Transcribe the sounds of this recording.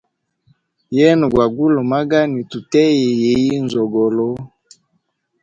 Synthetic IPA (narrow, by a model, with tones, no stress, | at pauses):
jɛ˦n˨ɡwa˨ɡu˦lo˨ma˦ɡa˦ni˨tu˨tɛ˦je˨je˨ji˦n˨zɔ˨ɡɔ˨lɔ˦